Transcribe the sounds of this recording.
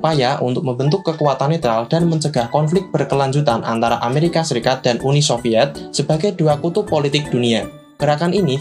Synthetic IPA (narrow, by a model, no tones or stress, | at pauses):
pajaʔṵnt̪ʊk̚məmbənt̪ʊkːəkuat̪anet̪ɾald̥a̤nməɲt͡ʃəɡ̥ahkɔnflɪk̚t̚b̥ərkəlaɲd͡ʒut̪anʔa̰nt̪aɾaʔameɾikasəɾikat̪̚d̥a̤nunisofiɛt̪̚səb̥a̤ɡajduakut̪ʊpolit̪ɪk̚d̪̥unia | kəɾakanini